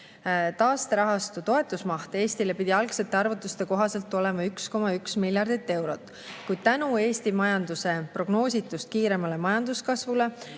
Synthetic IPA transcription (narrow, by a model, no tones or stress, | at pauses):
t̪ɑːst̪eɾɑɦɑst̪ut̪o̞e̞t̪ːˑusmɑht̪ee̞ːst̪ile̞pid̪̥ʲiɑlkse̞t̪ːˑe̞ɑrvut̪ːˑust̪e̞ko̞ɦɑse̞lt̪ːˑo̞le̞mɑyksko̞mɑyksmilʲjɑrd̪̥it̪ːˑe̞wɾo̞t̪ːˑ | kujd̪̥̚t̪ænue̞ːst̪imɑjɑnd̪̥use̞pro̞ɡ̥no̞ːsʲit̪ːˑust̪̚kiːɾe̞mɑle̞mɑjɑnd̪̥uskɑsvule̞